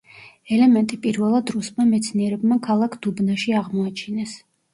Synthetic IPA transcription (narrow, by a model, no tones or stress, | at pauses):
ɛlɛmɛnt̪ʼipʼiɾvɛlˠad̪ɾusmamɛt̪sʰniɛɾɛbmakʰalˠakʰd̪ubnaʃiaʁmɔat͡ʃʰinɛs